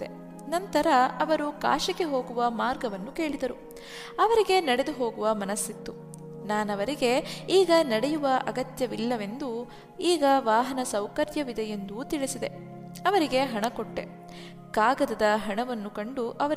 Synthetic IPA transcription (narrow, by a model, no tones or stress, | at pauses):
d̪e | nɐnt̪ɐɾɐɐʋɐɾuka̰ːʃɐkeɦo̞ːɡuʋɐmaːɾɡɐʋɐnːuke̞ːɭid̪ɐɾu | ɐʋɐɾiɡe̞nɐɽe̞d̪uɦo̞ːɡuʋɐmɐnɐsːit̪ːu | naːnɐʋɐɾiɡe̞iːɡɐnɐɽejuʋɐʔɐɡɐt̪jɐʋilːɐʋe̞nd̪u | iːɡɐʋaːɦɐnɐsɐwkɐɾjɐʋid̪ɐje̞nd̪ut̪iɭisid̪e̞ | ɐʋɐɾiɡe̞ɦɐɳɐkoʈːe̞ | kaːɡɐd̪ɐd̪ɐɦɐɳɐʋɐnːukɐɳɖuʔɐʋɐ